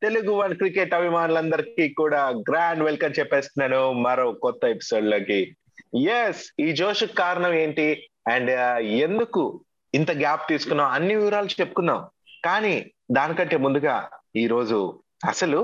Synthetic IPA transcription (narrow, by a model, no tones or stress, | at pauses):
t̪e̞luɡuʋɐnkɾikeʈɐbʱimaːnulɐnd̪ɐɾikikuːɽaːɡɾaːɳɖʋelkɐmt͡ʃɛpːeːsɐnɐnumɐɾɐkɔt̪ːɐepi̥so̞ːɖloːki | jesiːd͡ʒoːʂɐkːaːɾɐɳɐmeːɳʈi | ɛɳɖe̞nd̪uku | int̪ɐɡʲaːp̚t̪iːsu̥kunːaɐnːiʋiʋɾaːlɐt͡ʃe̞pːu̥kunːaːm | kaːni | d̪aːnikɐɳʈe̞ːmund̪uɡaːiːɾo̞ːd͡ʒu | ɐsɐlu